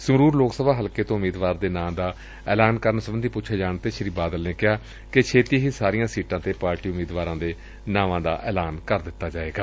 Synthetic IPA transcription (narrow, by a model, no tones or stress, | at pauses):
səɾuːɾloːksəbaːɦəlkeːt̪õːmiːd̪ʋaːɾd̪eːnãːmd̪aː | ɛːlaːnkəɾnsəbənd̪iːpuːt͡ʃʰeːd͡ʒaːɳt̪eːʃəɾiːbaːd̪əlneːkɪɦaː | ket͡ʃʰeːt̪iːɦiːsaːɾijãːsiːʈãːt̪eːpaːɾʈiːʊmiːd̪ʋaːɾãːd̪eː | nãːʋãːd̪a̰ːʔɛːlaːnkəɾd̪ɪt̪ːaːd͡ʒaːʋeːɡaː